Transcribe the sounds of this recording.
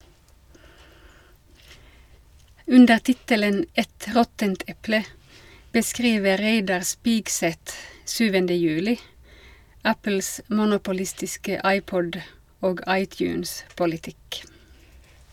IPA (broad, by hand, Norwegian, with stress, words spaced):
ˈʉndəʁ ˈtɪtələn ˈɛt ˈʁɔtənt ˈɛplə bəˈskʁiːʋə ˈʁeɪdɑʁ ˈspiːɡsɛt ˈʃyːʋəndə ˈjʉːlɪ ˈæpl̩s mʊnʊpʊˈlɪstɪskə ˈʔɑɪˌpɔd ˈoːɡ ˈʔɑɪˌtjʉːnspʊlɪˌtɪk